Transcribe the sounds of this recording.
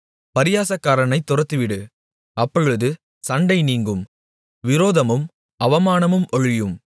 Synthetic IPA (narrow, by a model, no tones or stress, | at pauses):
pɐɾɪjaːsɐkːaːɾɐnɐɪt̪ːʊɾɐt̪ːɯʋɪɽɯ | ʔɐpːɔɻɯðɯ | sɐɳɖɐɪniːŋɡɯm | ʋɪɾoːðɐmɯm | ɐʋɐmaːnɐmɯmʔɔɻɪjɯm